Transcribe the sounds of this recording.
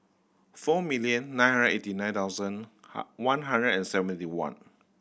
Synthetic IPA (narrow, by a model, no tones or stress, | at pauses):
fɔmiliə̃nːãj̃nhɦãnə̃etinãɪj̃nt̪aʊzə̃n | wãnɦãndɹədɛ̃nsɛvə̃ntiwã̰n